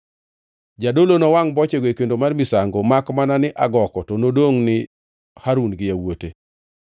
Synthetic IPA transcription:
d͡ʒadolonɔwaŋbɔt͡ʃeɡwekendomarmɪsaŋɡomakmananɪʔaɡɔkɔtɔnodoŋnɪ | haɾunɡɪjawote

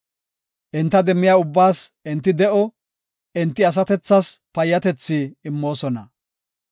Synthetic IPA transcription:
ʔɪnt̪ːɐd̪ɛmːɪjaːʊbːaːsɪnt̪ːɪd̪ɛʔɔ | ʔɪnt̪ːɪɐs̬ɐt̪ɛt͡sːɐspɐjːɐt̪ɛt͡sːiːmːo̞ːsɔnɐ

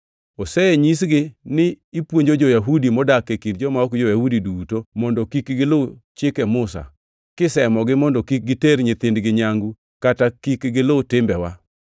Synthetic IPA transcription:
osɛeɲisɡɪnɪːpwoɲd͡ʒod͡ʒojaɦudimɔdakːekindd͡ʒɔmaɔkd͡ʒɔjahudidutomɔndɔkikɡɪlot͡ʃɪkɛmʊsa̰ | kɪsɛmɔɡɪmɔndɔkik̚ɡɪteɾɲɪt̪ɪndɡɪɲaŋɡu | katakikɡɪlotɪmbɛwa

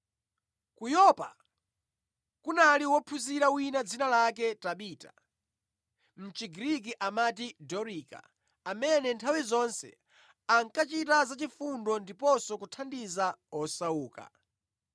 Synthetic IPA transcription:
kujɔpa | kunaliwɔpʰuziɾawinad͡zinalak̬ɛtaɓiːtḁ̰ | m̩t͡ʃiɡɾik̬iʔamat̬idɔɾika̰ | amɛnɛntʰawizɔnsɛ̰ | aŋkat͡ʃitazat͡ʃifundɔndipɔsɔkutʰandizaɔsauːka̰

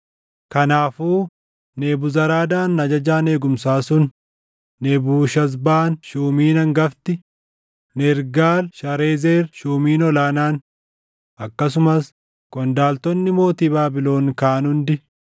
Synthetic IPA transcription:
kɐnaːfuː | neːbʊzɐɾaːd̪aːnːɐd͡ʒɐd͡ʒaːne̞ːɡʊmsaːsʊnː | ebuːʃɐs̬baːnʃuːmiːnɐŋɡɐft̪ɪ | nɛɾɡaːlʃɐɾeːzeːɾʃuːmiːnɔlaːnaːn | ʔɐkːɐs̬ʊmɐs | kʼɔnd̪aːlt̪ɔnːɪmo̞ːt̪iːbaːbɪlo̞ːnkaːnʊnd̪ɪ

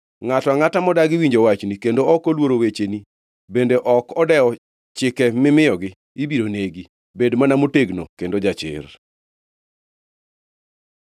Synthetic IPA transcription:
ŋatɔaŋatamɔdaɡɪwiɲd͡ʒowat͡ʃnikendoɔkolwoɾowet͡ʃeni | bendeʔɔkɔdɛɔ | t͡ʃɪkɛmɪmɪɔɡɪ | ibiɾoneɡi | bedmanamoteɡnokendod͡ʒat͡ʃɪ̰r

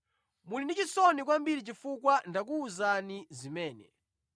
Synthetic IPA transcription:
mulindit͡ʃisɔnik̬wambiɾit͡ʃifukwandak̬uːzanizimɛːnɛ̰

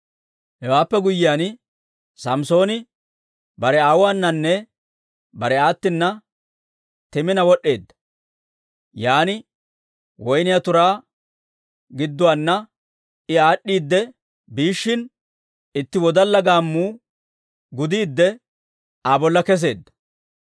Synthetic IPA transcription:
hɛwaːpːɛɡʊjːɪjaːn | sɐmso̞ːnɪ | bɐɾɛaːwʊaːnːɐnːɛ | bɐɾɛaːt̪ːɪnːɐ | t̪ɛmɪnɐwɔɗːe̞ːd̪ːɐ̥ | jaːnɪ | wɔjnɪjat̪ʊɾaː | ɡɪd̪ːʊwaːnːɐ | ɪaːɗːiːd̪ːɛ | biːʃːɪn | ɪt̪ːɪwɔd̪ɐlːɐɡaːmːuː | ɡʊd̪iːd̪ːɛ | abɔlːɐkɛs̬e̞̰ːd̪ːɐ̥

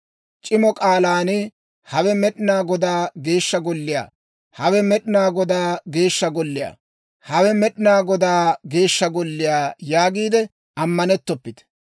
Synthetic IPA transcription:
t͡ʃʼɪmɔkʼaːlaːnɪ | hɐwɛmɛɗɪnaːɡɔd̪aːɡe̞ːʃːɐɡɔlːɪja̰ː | hɐwɛmɛɗɪnaːɡɔd̪aːɡe̞ːʃːɐɡɔlːɪja̰ː | hɐwɛmɛɗɪnaːɡɔd̪aːɡe̞ːʃːɐɡɔlːɪjaːjaːɡiːd̪ɛ | ɐmːɐnɛt̪ːɔpːɪt̪ɛ̥

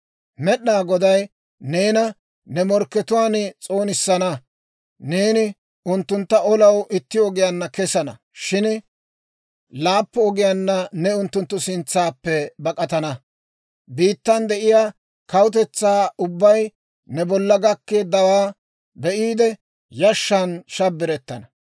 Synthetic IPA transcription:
mɛɗːaːɡɔd̪ɐj | ne̞ːnɐ | nɛmɔɾkːɛt̪ʊwaːnt͡sʼo̞ːnɪsːɐnɐ | neːnɪ | ʊnt̪ːʊnt̪ːɐɔlɐwʔɪt̪ːɪɔɡɪjanːɐkɛsɐnɐ̰ | ʃɪn | laːpːɔɔɡɪjanːɐnɛʊnt̪ːʊnt̪ːʊsɪnt͡sːaːpːɛbɐkʼɐt̪ɐnɐ | biːt̪ːɐnd̪ɛʔɪjaː | kɐwʊt̪ɛt͡sːaːʊbːɐj | nɛbɔlːɐɡɐkːe̞ːd̪ːɐwaː | bɛʔiːd̪ɛ | jɐʃːɐnʃɐbːɪɾɛt̪ːɐnɐ

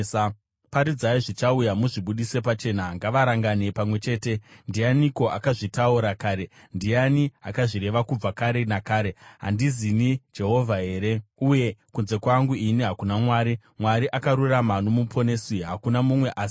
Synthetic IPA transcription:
paɾid͡zaiʐit͡ʃaujamuʐiɓuɗise̞pat͡ʃe̞naŋɡaʋaɾaŋɡane̞pamwe̞t͡ʃe̞ːte̞ndijaniko̞ʔakaʐitauɾakaːɾe̞ | ndijania̰kaʐiɾe̞ʋakub͡vakaɾe̞nakaːɾe̞ɦa̰ndizinid͡ʒe̞ɦo̞vʱaɦe̞ːɾe̞uje̞kunze̞kwaŋɡuiniɦakunamwaːɾi | mwaɾiʔakaɾuramanomupʰo̞ne̞siɦakunamumwe̞ʔaːsi̥

